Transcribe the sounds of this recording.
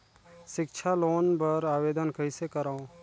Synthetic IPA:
ʃɪkʃʰaloːnbɐɾaːʋeːd̪ənkɐisekəɾaːõ

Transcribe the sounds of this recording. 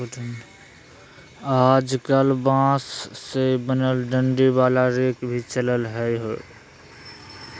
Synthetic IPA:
aːd͡ʒkəlbãːssebənəlɖə̃ɳɖibaːlaɾeːkbʱit͡ʃələlɦɛjɦo̰

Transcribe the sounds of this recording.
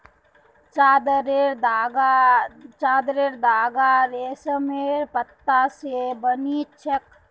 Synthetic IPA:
t͡ʃad̪ɾeɾd̪aɡat͡ʃaːd̪ɾeɾd̪aːɡaɾeːsəmeɾpət̪ːasebənit͡ʃʰək̚

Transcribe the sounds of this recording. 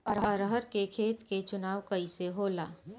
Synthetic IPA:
ɾɦɾəɦəɾkekʰeːt̪ket͡ʃʊnaːʋkɐiseɦoːla̰ː

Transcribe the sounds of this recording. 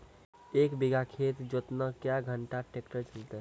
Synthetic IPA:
eːkbiɡakʰet̪d͡ʒot̪nəkjaɡʱəɳʈaʈekʈəɾt͡ʃʰəlt̪e

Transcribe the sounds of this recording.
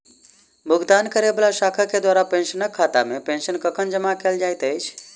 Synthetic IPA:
bʱuɡd̪ankəɾebelasakʰaked̪waɾapensənəkʰːat̪a̰mepensənkəkʰənd͡ʒəmakeld͡ʒajt̪əjt͡ʃʰ

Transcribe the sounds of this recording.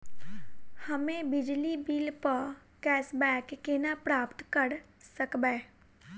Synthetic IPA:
həmẽbɪd͡ʒlibiːlpəɾ | kɛːsbɛːkːenapɾaːpt̪kəɾ | səkbeː

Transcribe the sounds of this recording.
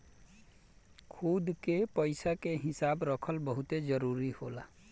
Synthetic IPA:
kʰud̪kepəɪsakeɦɪsaːbɾəkʰəlbəɦʊt̪ed͡ʒəɾuːɾihoːlaː

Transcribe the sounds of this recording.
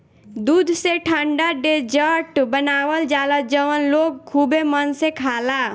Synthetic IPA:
d̪ud̪ʱseʈʰəɳɖaɖed͡ʒəʈbənawəld͡ʒaləd͡ʒəʋənlok̚kʰubemənsekʰala

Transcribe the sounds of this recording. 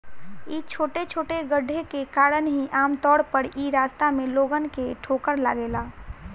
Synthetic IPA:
it͡ʃʰoːʈet͡ʃʰoːʈeɡəɖʱːekekaːɾənɦiʔaːmt̪ɔːɽpəɾiɾaːst̪amẽloːɡənkeʈʰoːkəɾla̰ːɡeːlaː

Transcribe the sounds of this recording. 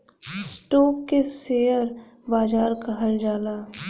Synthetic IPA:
sʈoːkːeseːəɾ | baːd͡ʒaːɾkaɦɐld͡ʒaːlaː

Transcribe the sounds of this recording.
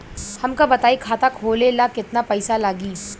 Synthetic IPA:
hɐmkabɐt̪aːikʰaːt̪akʰoːlelakɪt̪napɐɪsalaːɡiː

